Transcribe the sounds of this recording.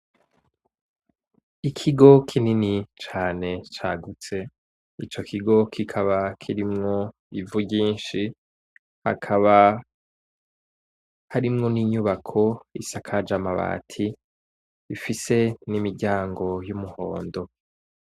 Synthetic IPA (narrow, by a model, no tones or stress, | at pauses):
ikʰiɡo̞kʰininit͡ʃaːne̞t͡ʃaːɡut͡se̞ | it͡ʃo̞kʰiɡo̞kʰikʰaβakʰiɾimŋo̞ | ivuɟiːnʃi | ha̰kʰaβa | haɾimŋo̞niːɲuβakʰo̞ḭsakʰad͡ʒamaβa̰ːtʰi | ifise̞nimiɾɟaːŋɡo̞jumuho̞̰ːndo̞